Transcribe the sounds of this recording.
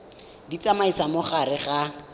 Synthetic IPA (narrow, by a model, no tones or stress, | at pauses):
dit͡samaisamʊχaɾɪχa